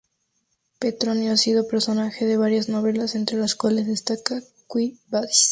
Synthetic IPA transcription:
pet̪ɾonjoasið̞o̞pe̞ɾso̞naxe̞ðe̞β̞aɾjazno̞β̞e̞lase̞nt̪ɾe̞laskwale̞zðest̪aka | kwibas

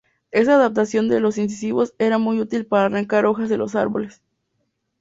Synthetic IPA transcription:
e̞s̬aːðap̚t̪asjo̞nd̪e̞lo̞sins̬isiβo̞se̞ɾamujut̪ilpaɾaːraŋkaɾo̞xazðe̞lo̞s̬a̰ɾβo̞̰le̞s

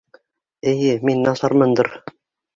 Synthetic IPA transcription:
ɘ̆jɘminːɑsɑɾmɤnd̪ɤ̆ɾ

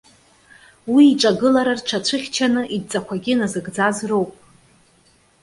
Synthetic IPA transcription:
wiːʈ͡ʂʼaɡɨlaɾarʈ͡ʂʷʰat͡ɕʷʰɨχʲt͡ʃʰanɨʔidt͡sʼakʷʰaɡʲɪnazɨɡd͡zazro̞wpʼ

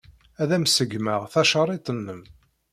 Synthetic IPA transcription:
æðæmsəɡməʁθɑʃɑɾˤit̪ˤənːəm

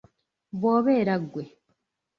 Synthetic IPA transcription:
βoːβeːɾaɡwe

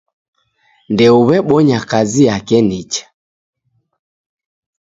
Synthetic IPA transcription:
ndɛuβɛɓɔɲakaziakɛnit͡ʃḁ

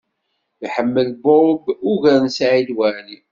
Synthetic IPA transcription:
jħəmːəlboɾˤbʊʝəɾnsʕid̪wæni

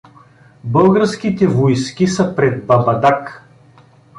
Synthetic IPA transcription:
bɤlˠɡəɾsk̟it̪ɛvojskʲisɐpɾɛd̪̚bɐbɐd̪ak

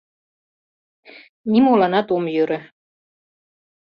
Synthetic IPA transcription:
nimolɑnɑt̪omjøɾɘ̆

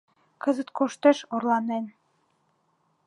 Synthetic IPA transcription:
kɤ̆zə̆t̪̚kʰoʃt̪eʃorlˠɑnen

